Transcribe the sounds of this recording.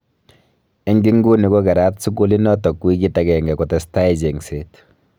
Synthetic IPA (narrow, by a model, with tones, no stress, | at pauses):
e˦ŋɡi˦ŋɡu˦ni˨ko˦kɛ˨ɾa˦tsu˦ku˦li˦nɔ˦tɔ˨kːwi˦ki˦ta˨kɛ˨ŋɡɛ˨kɔ˨tɛ˨sta˦i˨d͡ʒe˨ŋse˨t